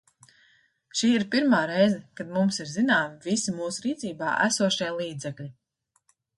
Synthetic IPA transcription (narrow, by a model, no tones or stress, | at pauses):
ʃiːiɾpiɾmaːɾɛjzɛkad̪mumsiɾzinaːmivisimuːsuɾiːt̪siːba̰ːʔæ̰suɔʃiɛlˠiːd̪zɛklʲi